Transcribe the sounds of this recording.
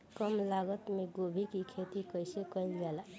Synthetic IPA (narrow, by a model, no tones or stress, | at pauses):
kəmlaɡət̪meɡobʱikikʰet̪ikəjsekəɪlɡel